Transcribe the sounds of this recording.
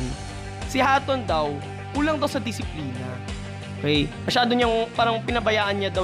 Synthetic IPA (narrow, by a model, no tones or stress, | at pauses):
n | sɪhaːt̪ond̪ɐw | kuːlɐŋd̪ɐwsɐd̪ɪsɪpliːnɐ | ʔokɛjmɐʃaːd̪oɲaŋpaːɾɐŋpɪnɐbɐjaːʔɐnɲad̪ɐw